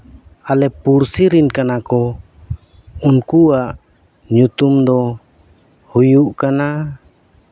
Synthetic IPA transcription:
alɛpuɾsiɾinkanakɔ | unkuaʔ | ɲut̪umd̪ɔ | hujuʔkana

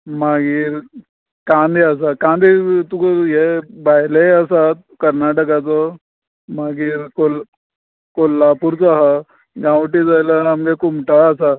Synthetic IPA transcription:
maɡiːɾ | kãnd̪ias̬akãnd̪it̪ukjebajleəsat̪̚ | kəɾnaʈəkat͡sɔ | maɡiːɾkol | kolːapuɾt͡saɦa | ɡãʋʈid͡zajlaamɡekumʈaːsa

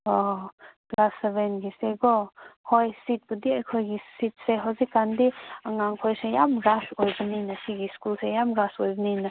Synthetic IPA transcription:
ɔɡlasebenɡiseɡɔhojsit̚budiajkʰojɡisit̚seɦawzikːandiaŋaŋkʰojsejamɾasojbəninɐsiɡiskulsejamɾasojbnina

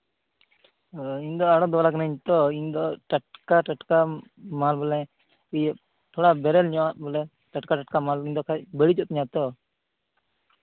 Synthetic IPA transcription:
iɲd̪ɔaɽɔd̪ɔlaknəiɲt̪ɔiɲd̪ɔʈaʈ̚kaʈaʈka | malbɔlɛ | ij | t̪ʰɔɽabɛɾɛlɲɔwat̪̚bɔlɛ | ʈaʈkaʈaʈkamaliɲd̪ɔkʰabəɽid͡ʒɔt̪̚ɲat̪ɔ

